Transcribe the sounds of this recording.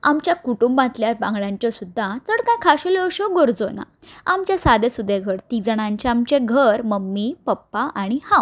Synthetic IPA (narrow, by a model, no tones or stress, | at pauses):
a̰mt͡ɕjakuʈumbãt̪ljaɾbãŋɡɭãɲt͡ɕɔsud̪ʱːat͡səɽkãjkʰaɕoleoɕɔɡoɾd͡zona̰ | amt͡ɕjasad̪esud̪ʱːeɡʱəɾt̪id͡zɳãɲt͡ɕeamt͡ɕeɡʱəɾməmːipəpːaʔaɽ̃ihãw